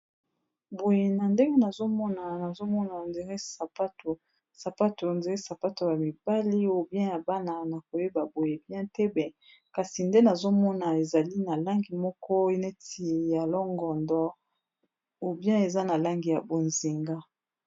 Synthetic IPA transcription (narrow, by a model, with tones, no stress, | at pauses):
bo˨je˨na˨nde˦ŋɡe˦na˨zo˦mɔ˦na˨na˨zo˦mɔ˦na˨nde˨ŋɡe˦sa˨pa˦to˨ | sa˨pa˦to˨nde˨˦e˦sa˨pa˦to˨ja˨mi˨b̥a˦li˦o˨bjɛ̃˦ja˨ba˦na˨na˨ko˨je˦ba˨bo˨je˨bjɛ̃˦tɛ˦bɛ˨ | ka˨si˨nde˦na˨zo˦mɔ˦na˨e˨za˨li˦na˨la˦ŋɡi˨mɔ˦kɔ˦e˦ne˦ti˨ja˨lɔ˦ŋɡɔ˨ndɔ˦ | o˨bjɛ̃˦e˨za˦na˨la˦ŋɡi˨ja˨bo˨nzi˨ŋɡa˦